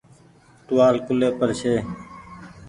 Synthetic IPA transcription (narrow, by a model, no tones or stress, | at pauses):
ʈ̪ʊʋaːlkʊleːpəɾʃʰeː